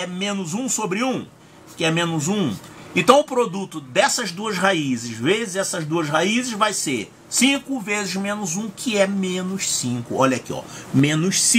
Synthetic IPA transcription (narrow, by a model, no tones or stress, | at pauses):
ɛmẽnʊzũsobɾɪũ | kɪɛmẽnʊzũẽnt̪ɐ̃w̃ʊpɾod̪ut̪ʊd̪ɛsɐzd̪uɐsɦaizɪʃvezɪzɛsɐzd̪uɐshaizɪʃvajseɾ | sĩkʊvezɪzmẽnʊzũkʰɪɛmẽnʊʃsĩkʊɔʎɐkiɔ̰mẽnʊʃsĩ